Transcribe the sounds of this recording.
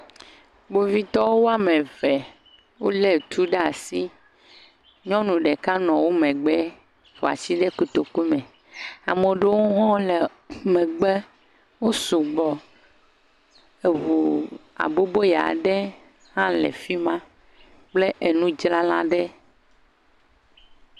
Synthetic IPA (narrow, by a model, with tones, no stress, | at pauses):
ɡ͡bo˨vi˦t̪ɔ˦wo˦wo˦a˦mẽ˨vɛ˨ | wo˦lɛ˨t̪u˦ɖe˦a˨si˦ | ɲɔ̃˦nũ˨ɖɛ˨ka˦nɔ̃˨wo˦mɛ̃˨ɡ͡bɛ˦ | fo˨a̰˨t͡ɕi˦ɖɛ˦ku˨t̪o˨ku˦mɛ̃˨ | a˨me˨ɖe˦wo˦ɦɔ̃˦le˨ | mɛ̃˨ɡ͡bɛ˦ | wo˦su˨ɡ͡bɔ˨ | e˨vu˨a̰˨bo˦bo˦ja̰˨ɖɛ˦ | hã˦lɛ̰˨fi˦mã˦ | k͡ple˦ʔe˨nũ˦d͡ʒla˦lã̰˦ɖɛ˦